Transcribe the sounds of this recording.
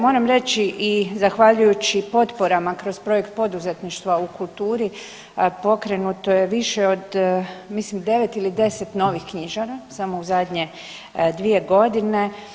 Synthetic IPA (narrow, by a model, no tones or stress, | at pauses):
mo̞ːɾamɾe̞t͡ɕiʔizaxʋaʎujut͡ɕipo̞t̪po̞ɾamakɾo̞zpɾo̞je̞kt̪̚po̞d̪uze̞t̪niʃt̪ʋaukulˠt̪uːɾi | po̞kɾe̞nut̪o̞je̞ʋiʃeo̞d̪mislimd̪e̞ʋe̞t̪ilid̪e̞se̞t̪no̞ːʋixkɲiʒaɾasamouzad̪ɲe̞ | d̪ʋie̞ɡo̞d̪ine̞